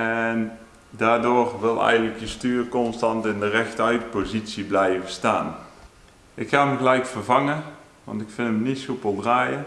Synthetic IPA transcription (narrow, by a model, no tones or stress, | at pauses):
ɛn | daːɹdoːrʋɪlˠɛ̰jɣəntləkjəstyːrkɔnstɑntɪndərɛxtəœɥtpozitsiblɛjəvəstaːn | ʔɪkxaːməɣəlɛjkfərvɑŋə | ʋɑ̰ntɪkfɪnəmnitsupəlˠdraːjə